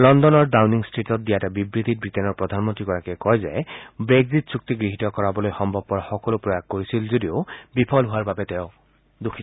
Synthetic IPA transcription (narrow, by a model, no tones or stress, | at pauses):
lɔndɔnɔɹdawniŋstɹitɔt̚dijatabibɹid̪ʱit̚bɹitenɔɹpɹɔdʱanmɔntɹiɡɔɹakɛkɔjza̰bɹeɡzitsuk̚t̪iɡɹiɦitɔkɔɹabɔlojxɔmbʱɔb̚kɔɹaxɔkɔlopɹɔjaɡ̚koɹisilzodiobipʰɔlɦʊaɹbabɛteʊ | dukʰi